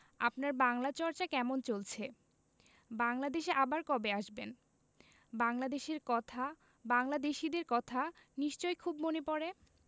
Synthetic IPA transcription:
a̰pnaɾbaŋlat͡ɕɔɾt͡ɕakɛmont͡ɕolt͡ɕʰe | baŋlad̪eʃeʔabaɾkɔbeaʃben | baŋlad̪eʃeɾkɔt̪ʰa | baŋlad̪eʃid̪eɾkɔt̪ʰaniʃt͡ɕojkʰubmonepɔɾe

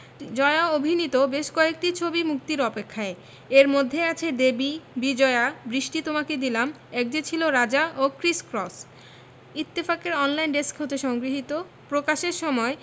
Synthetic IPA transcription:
d͡ʑɔeaobʱinit̪obeʃkɔek̚ʈit͡ɕʰobimuk̚t̪iɾɔpekʰːae | eɾmod̪ʱːeat͡ɕʰed̪ebibid͡ʑɔeabɾiʃʈit̪omaked̪ilam | ɛk̚d͡ʑet͡ɕʰiloɾad͡ʑaʔokɾiskɾɔs | it̪ːifakeɾɔnlajnɖeskɦot̪eʃɔŋɡɾiɦit̪o | pɾokaʃeɾʃɔmɔe

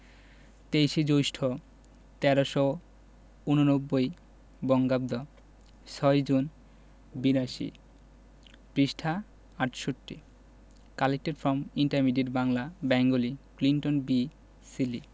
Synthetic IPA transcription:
t̪ejʃid͡ʑojʃʈʰo | t̪ɛɾoʃɔ | unonobːoj | bɔŋɡabd̪ɔ | sɔjd͡ʑun | biɾaʃḭ | pɾiʃʈʰa | aʈʃoʈːḭ | kalek̚ʈeɾfɾɔmiɳʈaɾmiɖeʈbaŋlabɛŋɡolikliɳʈonbi | silḭ

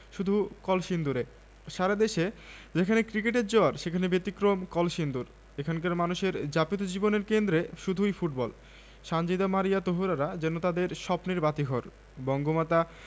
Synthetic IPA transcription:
ʃud̪ʱukɔlʃind̪uɾe | ʃaɾad̪eʃed͡ʑekʰanekɾikeʈ̬eɾd͡ʑoaɾʃekʰanebet̪ikɾomkɔlʃind̪uɾ | ekʰankaɾmanuʃeɾd͡ʑapit̪od͡ʑiboneɾkend̪ɾeʃud̪ʱujfuʈbɔl | ʃand͡ʑid̪amaɾijat̪oɦoɾaɾad͡ʑenot̪ad̪eɾʃɔpniɾbat̪iɦoɾ | bɔŋɡomat̪a

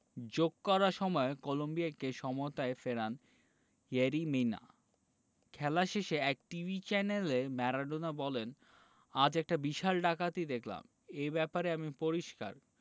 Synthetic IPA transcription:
d͡ʑoɡ̚kɔɾaʃɔmɔekolombiakeʃɔmot̪aefeɾan | jeɾimejna̰ | kʰɛlaʃeʃeɛk̚ʈivʱit͡ɕɛnelemɛɾaɖonabɔlen | ad͡ʑɛk̚ʈabiʃalɖakat̪id̪ekʰla̰m | ejbɛpaɾeamipoɾiʃka̰ɾ

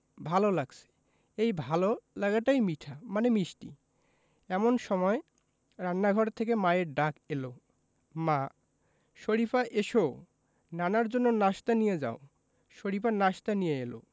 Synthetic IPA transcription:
bʱalolaɡt͡ɕʰe̥ | ejbʱalolaɡaʈajmiʈʰamanemiʃʈḭ | ɛmonʃɔmɔe | ɾanːaɡʱɔɾt̪ʰːek̬emaeɾɖakelo | ma | ʃoɾifaʔeʃo | nanaɾd͡ʑonːonaʃt̪anijed͡ʑa̰o | ʃoɾipanaʃt̪anijeelo̰

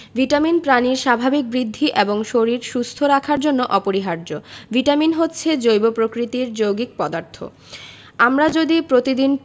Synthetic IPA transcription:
viʈaminpɾaniɾʃabʱabik̚bɾid̪ʱːiʔeboŋʃoɾiɾʃust̪ʰoɾakʰaɾd͡ʑonːoʔɔpoɾiɦaɾd͡ʑoviʈaminɦotːɕʰed͡ʑojbopɾokɾit̪iɾd͡ʑowɡik̚pɔd̪aɾt̪ʰo̰ | amɾad͡ʑod̪ipɾot̪id̪in

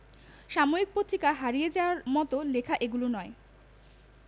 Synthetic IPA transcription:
ʃamoik̚pɾot̪ʰːikaɦaɾijed͡ʑaoaɾmɔt̪olekʰaʔeɡulonɔe

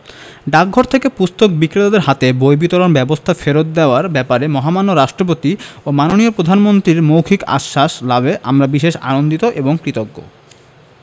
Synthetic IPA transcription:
ɖak̚ɡʱoɾt̪ʰekepust̪ok̚bikːɾet̪ad̪eɾɦat̪ebojbit̪oɾonbɛbost̪ʰafeɾot̪̚d̪eoaɾbɛpaɾemɔɦamanːoɾaʃʈɾop̬ot̪iomanoniopɾod̪ʱanmont̪ɾiɾmowkʰika̰ʃːaʃlaβeʔa̰mɾabiʃeʃa̰nond̪it̪oʔeboŋkɾit̪oɡːo̰

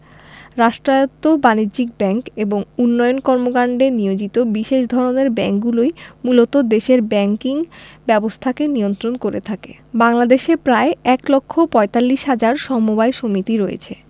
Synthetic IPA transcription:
ɾaʃʈɾaot̪ːobanid͡ʑik̚bɛŋkeboŋunːɔjonkɔɾmoɡaɳɖenijod͡ʑit̪obiʃeʃd̪ʱɔɾoneɾbɛŋk̚ɡulojmulot̪od̪eʃeɾbɛŋkiŋbɛbost̪ʰakenijont̪ɾonkoɾḛt̪ʰakḛ | baŋlad̪eʃepɾaeɛklokʰːopɔet̪alːiʃɦad͡ʑaɾʃɔmubajʃomit̪iɾojḛt͡ɕʰe

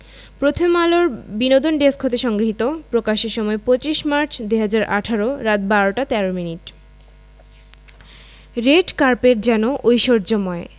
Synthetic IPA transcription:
pɾot̪ʰomaloɾbinod̪onɖeskʰot̪eʃɔŋɡɾiɦit̪opɾokaʃeɾʃɔmɔepɾot͡ɕiʃmaɾt͡ɕʰd̪ujɦad͡ʑaɾʔa̰ʈʰaɾoɾat̪baɾoʈat̪ɛɾominiʈ | ɾeɖkaɾpeɾd͡ʑɛnoʔojʃoɾd͡ʑomɔe

